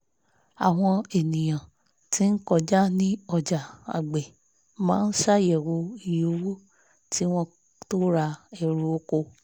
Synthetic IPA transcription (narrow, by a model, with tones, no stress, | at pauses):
a˨w̃ɔ̃˧e˨nĩ˨j̃ã˨ | ti˨˦n̩˦kɔ˦˨d͡ʒa˦nĩ˦ɔ˧˨d͡ʒa˨a̰˨ɡ͡be˨ | mãː˦n̩˦ʃa˦jɛ˨wo˧i˨jo˧˦wu˦ | tʰi˦w̃ɔ̃˦ | to˦ɾa˧ɛ˨ɾu˧o˦ko˧˨